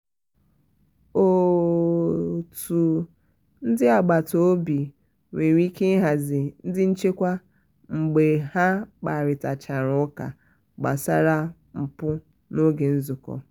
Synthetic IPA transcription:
o˨ | tu˨ | n̩˦dɪ˦a˨ɡ͡ba˨to˨˦bi˨ | wʷe˨ɾʷi˦ke˦ɦa˨zɪ˨n̩˦dɪ˦n̩˦t͡ʃe˦kʷa˦ | ŋ͡m̩˨ɡ͡be˨ha˦k͡pa˨ɾɪ˨ta˨t͡ʃa˨ɾʊ˦ka̰˨ | ɡ͡ba̰˨sa˦ɾa˦ | m̩˨pʊ˦ | no˦ɡe˨n̩˦zʊ˨kɔ̰˨

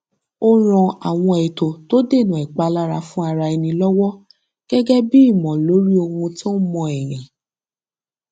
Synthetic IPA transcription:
o˦ɾ̃ɔ̃˧a̰˨w̃ɔ̃˧ɛ˨to˨to˦de˦˨nũ˨ɛ˨k͡pa˧la˦ɾa˧fũ˦a˧ɾa˧ɛ˧nĩ˧lɔ˦wɔ˦ | ɡ̥ɛ˦ɡɛ˦bi˦i˦˨mɔ̃˨lo˨˦ɾi˦o˧hũ˧tɔ̃˦mɔ̃˧ɛ˨ɾĩ˨

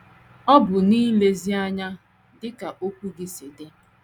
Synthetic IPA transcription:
ɔ˦bʊ˨niː˦le˨zi˦a˦ɲa˦ | dɪ˦ka˨ʔo˦kʷu˦ɡi˦si˨de˦

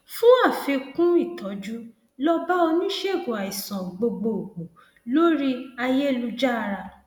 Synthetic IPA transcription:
fũ˦a˦˨fe˧kũ˦i˦˨tɔ˨˦d͡ʒu˦ | lɔ˦ba˦o˧nĩ˦ʃe˦˨ɡo˨a˨i˨sɔ̃˨ɡ͡bo˧ɡ͡bo˨ɡ͡bo˨ | lo˦ɾi˦a˧je˦˨lu˧d͡ʒa˦˧ɾa˧

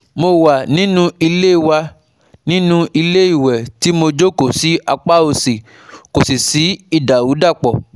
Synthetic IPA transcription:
mo˧wa˨nĩ˨˦nũ˦i˧le˦i˦˨wa˧ | nĩ˦nũ˦i˧le˦i˦˨wɛ˨ti˨˦mo˧d͡ʒo˦ko˨si˨˦a˧k͡pa˦o˧si˨ | ko˨si˨si˨˦i˦˨da˨wu˨˦da˦˨k͡pɔ˨

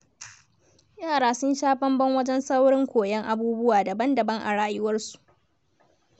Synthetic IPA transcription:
jaː˦˨ɽaː˦sʊ˦nʃaː˦ɸɐ˦mbɐ˦ŋwɐ˦d͡ʒɛ˦nsɐ˦wɽɪ˦ŋkʷoː˨jɛ˦ŋʔa˨buː˦bʊ˦waː˨dɐ˨bɐ˦ndɐ˨bɐ˦ŋʔa̰˨ɽaː˦jɪ˦wɐ˦rsu̥˨ʔ

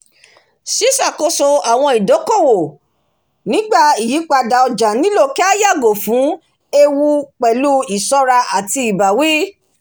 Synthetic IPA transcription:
ʃi˦sa˦˨ko˧˦so˧a˨w̃ɔ̃˧i˨do˨˦ko˦˨wo˨ | nĩ˨˦ɡ͡ba˦˨i˨ji˨˦k͡pa˧da˧ɔ˧d͡ʒa˨nĩ˨˦lo˦˨kɛ˦a˦ja˦˨ɡo˨fũ˨˦ | e˧wu˧k͡pɛ˨lu˦i˨sɔ˧ɾa˧ʔa˨ti˧i˨ba˨wi˦

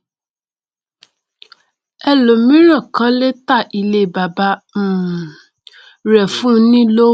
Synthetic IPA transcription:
ɛ˦lo˨mĩ˦ɾã˦˨kã˦le˦ta˦˨ʔi˧le˧˦˨ba˨ba˧˦˨ | ɾɛ˨fũ˦nĩ˦lo˦

